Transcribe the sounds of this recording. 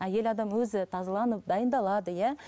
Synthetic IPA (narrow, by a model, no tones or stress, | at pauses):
æje̞lɑd̪ɑmwɵzɪt̪ʰɑzɑlˠɑnəp̚d̪ɑjənd̪ɑlˠɑd̪əjæ